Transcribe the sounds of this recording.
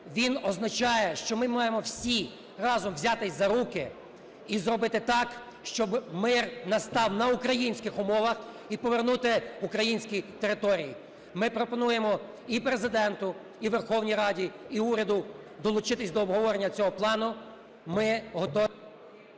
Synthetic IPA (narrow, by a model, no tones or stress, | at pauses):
ʋʲinɔznɐt͡ʃɑjɛʃt͡ʃɔmɪmɑjemɔwsʲi | rɑzɔmʋzʲɑt̪ɪzɐɾukɪ | izɾɔbɪt̪ɪt̪ɑk | ʃt͡ʃɔbmɪrnɐst̪ɑwnɐukɾɐjinʲsʲkɪxʊmɔʋɐx | ipɔʋernut̪ɪukɾɐjinʲsʲkʲit̪eɾɪt̪ɔɾʲiji | mɪpɾɔpɔnujemɔ | ipɾezɪd̪ɛnt̪ʊ | iʋerxɔwnʲijɾɑdʲiiuɾʲɐd̪ʊ | d̪ɔlˠʊt͡ʃɪt̪ɪsʲd̪ɔːbɦɔʋɔɾenʲːɐt͡sʲɔɦɔplˠɑnʊ | mɪɦɔt̪ɔ